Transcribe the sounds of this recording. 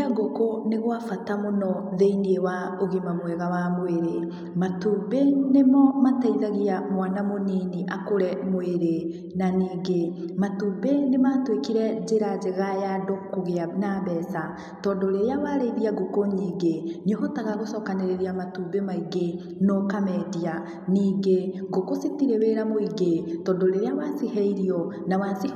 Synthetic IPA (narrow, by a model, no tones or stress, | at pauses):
aɡokoneɣwafatamonɔðeiniewa | oɣimamwɛɣawamoeɾe | matuːbenemɔmataiðaɣiamwanamoniniʔakoɾɛmoeɾe | naniːɡematubenematwekiɾɛd͡ʑeɾad͡ʒeɣajadokːoɣeanabɛsa | tɔːdoɾeɾeawaɾeðiaɡokoɲiːɡeɲoɦɔtaɣaɣosɔkaneɾeɾiamatubemaiɡe | nokamɛdia | niːɡeɡokositiɾɛβeɾamoiɡetɔːndoɾeɾeawasihɛiɾiɔ | nawasi